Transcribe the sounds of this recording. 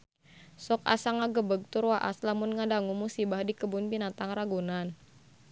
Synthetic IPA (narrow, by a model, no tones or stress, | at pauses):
sɔka̰saŋaɡəbəɡ̚t̪uɾwaʔaslamʊnŋadaŋumusibahdikəbʊnbinat̪aŋraɡunan